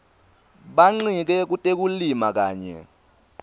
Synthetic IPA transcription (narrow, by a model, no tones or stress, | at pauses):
ɓaŋ͡ǀik̬ɛk̬utʼek̬ulimak̬aːɲɛ̰